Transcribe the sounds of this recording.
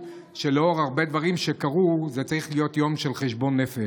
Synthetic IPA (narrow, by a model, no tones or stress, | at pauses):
ʃeleo̞ʁaʁbe̞d̪vaʁimʃe̞kaʁuzet͡saʁiχlijo̞t̪jo̞mʃe̞lχeʃbo̞nːefe